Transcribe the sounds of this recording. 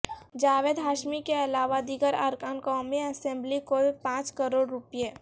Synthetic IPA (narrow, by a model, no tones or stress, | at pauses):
d͡ʒaːʋeːd̪ɦaːʃmikeɐlaːʋad̪iɡəɾə̰ɾkaːnkɔːmẽɐsẽmblikoːpãːt͡ʃkəɾoːɽɾʊpije